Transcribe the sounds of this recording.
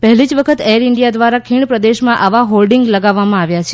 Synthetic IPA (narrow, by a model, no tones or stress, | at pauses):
pəɦlid͡ʒʋəkʰət̪eɾɪɳɖijad̪ʋaɾakʰiɳpɾəd̪eʃmãʔaʋaɦolɖiŋɡləɡaʋːamãaʋjat͡ʃʰe